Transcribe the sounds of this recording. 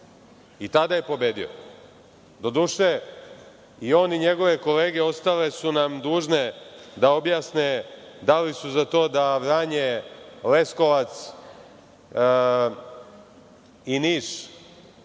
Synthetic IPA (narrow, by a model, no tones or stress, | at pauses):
it̪ad̪ajepo̞be̞ːd̪io̰ | d̪o̞d̪uːʃe | io̞niɲe̞ɡo̞ʋe̞ko̞le̞ːɡeo̞st̪ale̞sunamd̪uːʒne̞d̪ao̞bjaːsned̪alisuzat̪o̞ːd̪aʋɾaːɲele̞sko̞ʋat̪s | iniːʃ